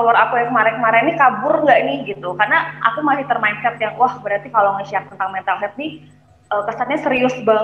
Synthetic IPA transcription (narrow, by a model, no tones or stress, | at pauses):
awɔɾakujaŋkəmaɾɪnkəmaɾɪnnikabʊrŋɡaʔnɪhɡit̪ukarnaʔa̰kumasɪht̪ərmaɪnsɛt̪jaŋwahbəɾart̪ikaloŋəsiap̚t̪ənt̪aŋmɛnt̪alsɛt̪̚ni | əːkəsanɲasəɾiʊsbaŋ